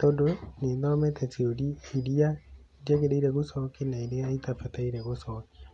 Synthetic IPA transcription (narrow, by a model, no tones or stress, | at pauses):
tɔdoneðɔmɛtʰɛteoɾiiɾia | diɛɣeɾeiɾɛɣosɔkinaiɾeaitafataiɾɛɣosɔki̥